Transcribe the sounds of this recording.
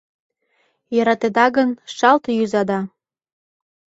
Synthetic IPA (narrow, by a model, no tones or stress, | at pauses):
jɤɾɑt̪ed̪ɑɣənʃɑlt̪jyzɑd̪ɑ